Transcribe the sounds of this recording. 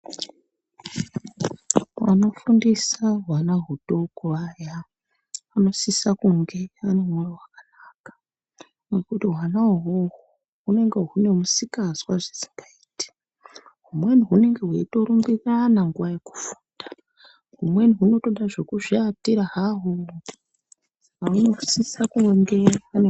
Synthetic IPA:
wa̰no̞fundisaɦwanaɦuto̞koaja | ano̞sisakuŋɡe̞anemworowakanaːkḁ | nekutiɦwanaoɦoɦo | ɦune̞ŋɡe̞ɦune̞musikazwaʐesi̥ŋɡaiːti̥ | ɦumwe̞niɦune̞ŋɡe̞ɦweito̞ɾuŋɡiranaŋɡuwajeku̥fu̥ːnda | ɦumwe̞niɦuno̞to̞ɗaʐekuʐiatiɾaɦaɦo | aunosisakuŋɡe̞ane

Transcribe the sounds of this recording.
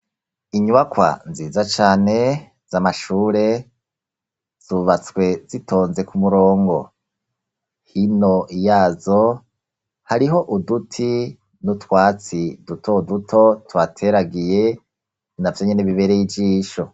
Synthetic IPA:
iɲuβakwa̰nziːzat͡ʃaːne̞ | z̥amaʃuːɾe̞ | z̥uβat͡swe̞zitʰo̞ːnze̞kumuɾo̞ːŋɡo̞̰ | hino̞ʔijaːzo | haɾiɦo̞ʔudutʰi | nutwaːt͡sidutʰoudutʰo̞twatʰe̞ɾaɡije̞ | navjoɲeneβiβe̞ɾejivɟiːʃo̞

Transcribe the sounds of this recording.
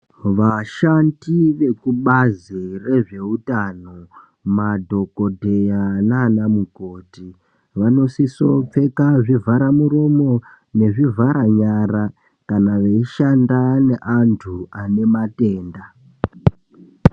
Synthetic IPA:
ʋaʃandiʋe̞kuɓazire̞ʐe̞utano | madʱo̞ko̞dʱe̞janaːnamuɡʱo̞ti | ʋano̞siso̞p͡fe̞kaʐivʱaɾamuro̞mo̞ | ne̞ʐivʱaɾaɲara | kanaʋeiʃandane̞ʔantʰuane̞mate̞ːnda

